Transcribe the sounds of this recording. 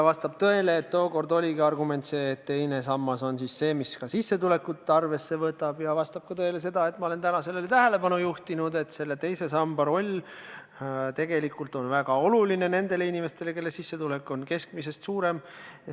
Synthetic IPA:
jɑvɑst̪ɑb̥̚t̪øe̞leːt̪ːo̞ːko̞rd̪o̞lʲiɡiɑrɡume̞nt̪se̞ːt̪t̪ːe̞jne̞sɑmːɑso̞nsisːe̞ːmiskɑsisːe̞t̪ule̞kːut̪ːˑeɑrve̞sːe̞vɤt̪ːˑɑb̥jɑvɑst̪ɑb̥̚kɑt̪ø̞ele̞se̞d̪ɑe̞t̪ːˑmɑole̞nt̪ænɑse̞lːelet̪æɦe̞le̞pɑnujuht̪inud̪e̞t̪se̞lːet̪e̞jse̞sɑmbɑɾo̞lʲ | t̪e̞ɡ̥e̞likːult̪ˑo̞nvæɡ̥ɑo̞luline̞ne̞nd̪̥e̞leinʲime̞st̪e̞leke̞lːesisːe̞t̪ule̞kːˑo̞nke̞sk̚mise̞st̪suːɾe̞m

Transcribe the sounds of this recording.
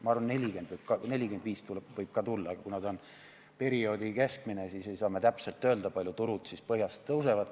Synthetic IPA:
mɑɑrvɑnne̞lʲiɡe̞nd̪vɤjb̥̚kɑne̞lʲike̞nd̪viːst̪ulbvɤjb̥̚kɑt̪ulːɑːɡ̥ɑkunɑd̪o̞n | pe̞ɾio̞ːd̪ike̞skmine̞sise̞jsɑːme̞t̪æpse̞lt̪ːˑø̞ːld̪̥ɑpɑlʲjut̪uɾut̪sispɤɦjɑst̪ːɤws̬evɑd̪

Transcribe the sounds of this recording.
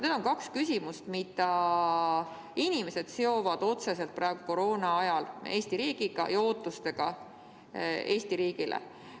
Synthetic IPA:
ned̪o̞nkɑkskys̬ʲimust̪mid̪̥ɑ | inʲime̞se̞d̪̥seo̞vɑd̪̥o̞t̪se̞se̞lt̪̚pɾɑːeɡ̥uko̞ɾo̞ːnɑɑjɑle̞ːst̪iɾiːɡ̥iɡ̥ɑ̰jɑo̞ːt̪ˑːust̪e̞ɡ̥ɑ | e̞ːst̪iɾiːɡ̥ilʔḛ

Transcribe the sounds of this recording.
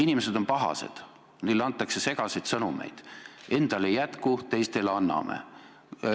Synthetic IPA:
inʲime̞se̞d̪o̞npɑɦɑ̰se̞̰d̪̥ | nilːɑnt̪ˑːɑkse̞se̞ɡ̥ɑsejd̪̥sɤnume̞̰jd̪̥e̞nd̪̥ɑlejæt̪kut̪e̞jst̪e̞lɑnːɑ̰mḛ

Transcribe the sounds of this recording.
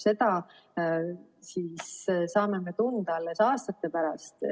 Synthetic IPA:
se̞d̪ɑ | siːssɑːme̞me̞t̪und̪ɑɑlːesɑːst̪ɑt̪ˑːe̞pæɾɑst̪

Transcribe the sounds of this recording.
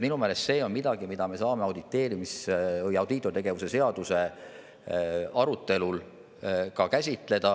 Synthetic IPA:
minume̞ːle̞st̪se̞ːo̞nmid̪̥ɑɡ̥imid̪̥ɑme̞sɑːmeɑwd̪it̪ːe̞ːɾimisvɤjɑwd̪̥it̪ːˑot̪eɡe̞vuse̞se̞ɑd̪̥use̞ | ɑɾut̪ːˑe̞lul | kɑkæsʲit̪ˑle̞d̪̥ɑ

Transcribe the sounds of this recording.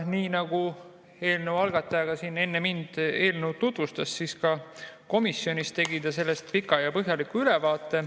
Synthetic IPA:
niːnɑɡ̥u | e̞ːlnewɑlɡ̥ɑt̪ːˑɑjɑɡ̥ɑsine̞nːe̞mind̪̥e̞ːlnewt̪ut̪vust̪ɑsːiskɑko̞misːjo̞nʲist̪e̞ɡid̪̥ɑse̞lːe̞st̪̚pikːˑɑjɑpɤɦjɑlikuylɛvɑːt̪ːˑe̞

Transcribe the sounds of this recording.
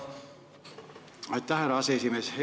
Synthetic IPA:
ɑjt̪ːæhæɾɑɑseesimeːshe

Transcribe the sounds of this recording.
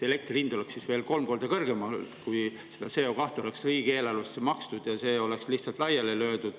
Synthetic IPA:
ele̞k̚t̪rilind̪̥o̞le̞ksisve̞ːlko̞lmko̞ːrd̪̥ɑkɤrɡ̥e̞mɑkuj | sed̪̥ɑseːokɑht̪o̞̰le̞ksriːɡ̥e̞ːlɑlust̪semɑkst̪ud̪̥jɑse̞ːo̞le̞kslihtsɑlt̪ˑlɑjɑlelø̞ːd̪̥ud̪̥

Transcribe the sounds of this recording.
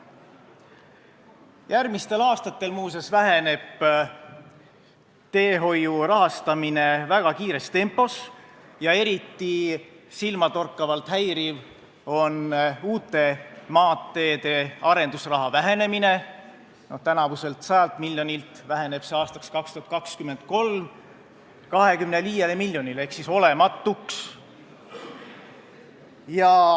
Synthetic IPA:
jærmist̪e̞lɑːst̪ɑt̪ːe̞lmuːse̞svæɦe̞ne̞b̥ | t̪e̞ːɦo̞jurɑɦɑst̪ɑmine̞væɡ̥ɑkiːɾe̞st̪e̞mpːˑo̞s | jɑe̞ɾit̪ːˑisilmɑt̪o̞rkːɑvɑlt̪ɦæjɾiv | o̞nuːt̪ːˑe̞mɑːt̪ːe̞ːd̪e̞ɑɾe̞nd̪usrɑɦɑvæɦe̞ne̞mine̞ | no̞ht̪ænɑvuse̞lt̪sɑjɑlt̪milːjo̞nʲilt̪væɦe̞ne̞b̥se̞ɑːst̪ɑkskɑkst̪uhɑt̪̚kɑkskyme̞nd̪̥̚ko̞lm | kɑɦe̞kymne̞liːjelemilʲːjo̞nile̞hksiso̞le̞mɑt̪ːˑuks | jɑ

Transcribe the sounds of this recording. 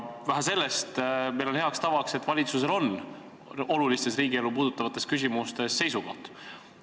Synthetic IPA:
væɦæse̞lːe̞st̪mejlo̞nhe̞ɑkst̪ɑvɑkse̞t̪ːˑvɑlʲit̪suse̞lo̞n | o̞lulist̪e̞sriːɡie̞lupuːd̪ut̪ːˑɑvɑt̪ːˑe̞skys̬ʲimust̪e̞sːe̞jsuɡoht̪

